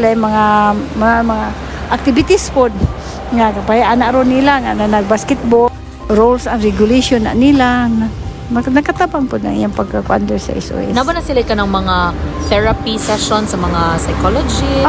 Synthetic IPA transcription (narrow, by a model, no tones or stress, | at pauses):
lajmaŋamaamaŋa | ʔak̚t̪ɪbit̪ɪspʊd̪̚ | ŋakapahiʔanaʔɾʊnːilaŋananaɡ̚baskɪt̪̚bo | ɾolsaŋɾɛɡʊleʃonːa̰ʔnilaa | nakat̪abaŋpʊd̪na̰ŋḭjaŋpaɡ̚kakʊʔa̰nd̪ɛsa̰ʔɪ̰so̰ɛ̰nabanasilaɪkanaŋmɐŋaθɛɹapisaʃonsamɐŋasajkolod͡ʒi